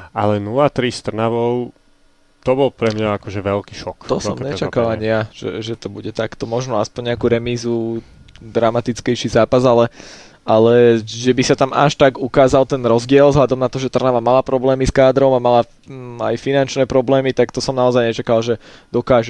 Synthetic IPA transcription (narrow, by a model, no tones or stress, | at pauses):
a̰lɛnulat̪ɾist̪r̩naʋɔʊ | t̪ɔbɔlpɾɛmɲaakɔʒɛʋɛlkiːʃɔkt̪ɔsɔmmɲɛt͡ʃakalaɲijaʒ̥ɛ̰ʒɛt̪ɔbuɟɛt̪akt̪ɔmɔʒnɔaspɔɲɲɛakuɾɛmiːzu | d̪ɾamat̪it͡skɛjʃizaːpazalɛ | alɛʒɛbisat̪ama̰ʃt̪aɡukaːzalt̪ɛnɾɔzɟɪɛlzɦʎad̪ɔmnat̪ɔʒɛt̪r̩naʋamalapɾɔblɛːmiskaːd̪ɾɔʊmamala | a̰jfinant͡ʃnɛːpɾɔblɛːmit̪akt̪ɔsɔmnaɔzajɲɛt͡ʃakalʒɛd̪̥ɔkaːʒu